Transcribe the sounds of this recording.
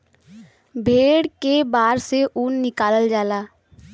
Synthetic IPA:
bʱeːɽkebaːɾseʔuːnːɪkaːləld͡ʒaːlaː

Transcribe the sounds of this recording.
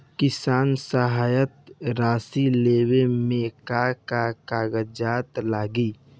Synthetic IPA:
kɪsaːnsəɦaːjət̪̚ɾaːsileːwemẽkakakaːɡəd͡ʒaːt̪laːɡi

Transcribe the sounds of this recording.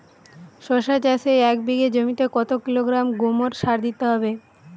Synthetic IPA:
ʃoʃat͡ɕasejɛkbiɡed͡ʑomit̪ekɔt̪okiloɡɾamɡomoɾʃaɾd̪it̪eɦɔbe

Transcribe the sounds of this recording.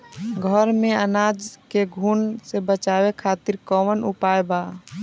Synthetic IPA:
ɡʱəɾmẽənaːd͡ʒkeɡʱuːnsebət͡ʃawekʰaːt̪iɾkɔmənṵpaːjba

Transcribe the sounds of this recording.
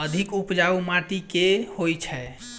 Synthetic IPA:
əd̪ʱikupd͡ʒaumaʈikehojt͡ʃʰɛ

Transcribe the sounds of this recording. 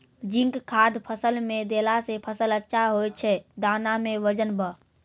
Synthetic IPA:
d͡ʒĩŋkkʰad̪pʰəsəlmed̪elasepʰəsələtːʃʰaɦojt͡ʃʰɛd̪anameʋəd͡ʒənbə

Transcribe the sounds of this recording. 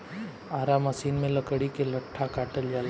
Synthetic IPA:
aːɾaːməsiːnmẽləkəɽikelɐʈʰːakaːʈəld͡ʒaːl

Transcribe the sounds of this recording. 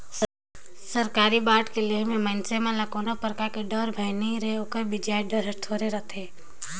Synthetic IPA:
səɾkaːɾibaːʈkeleɦmẽmə̃nsemãlɐkoːnapəɾkakeɖəɾbʱaɪniɾeokəɾbɪd͡ʒaːeɖəɾɦət̪ʰoːɾeɾət̪ʰeː

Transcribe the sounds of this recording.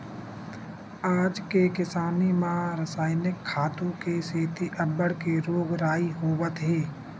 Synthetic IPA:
aːd͡ʒkekɪsaːnimãɾəsaːɪnɪkʰːaːt̪õkeseːt̪iʔəbːəɽkeɾoːɡɾaːiɦoːʋət̪ɦeː

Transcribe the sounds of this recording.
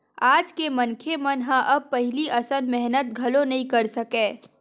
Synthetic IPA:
aːd͡ʒkemɐnkʰemənɦãʔɐb̚pɐɦɪliʔɐsənmɛɦnət̪̚ɡʱɐlonɐɦĩkɐɾsɐkẽː

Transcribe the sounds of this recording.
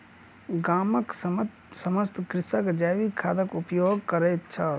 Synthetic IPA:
ɡaːmək | sɐməst̪kɾɪsəkd͡ʒaːʋikʰaːd̪əkʊpjoːɡkɐɾeːt̪t͡ʃʰɐ

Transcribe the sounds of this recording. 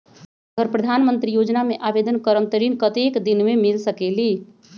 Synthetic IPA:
əɡəɾpɾəd̪ʱanmənt̪ɾijod͡ʒnameʔabed̪ənkəɾəmt̪əɾinkət̪ekd̪inmemilsəkeli

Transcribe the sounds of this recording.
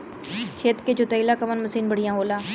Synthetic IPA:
kʰeːt̪keːd͡ʒoːt̪əilaːkəʋənməsiːnbəɽ̤ɪjãːɦoːlaː

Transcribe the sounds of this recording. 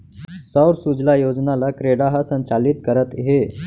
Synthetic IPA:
səwɾsud͡zlajod͡znalakɾeɽaɦasənt͡ɕaliːt̪kəɾət̪ɦe

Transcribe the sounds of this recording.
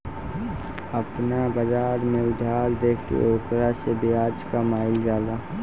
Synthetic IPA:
əpnabəd͡ʒaːɾmẽʊd̪ʱaːɾd̪eːkʰkḛoːkɾasebiaːd͡ʒkamaːɪld͡ʒaːla

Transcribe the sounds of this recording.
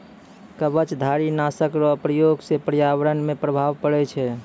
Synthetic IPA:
kəbət͡ʃd̪ʱaɾinasəkɾɔpɾəjoɡsepɾjaʋɾənmepɾəbʱaʋpəɽɛt͡ʃʰɛ

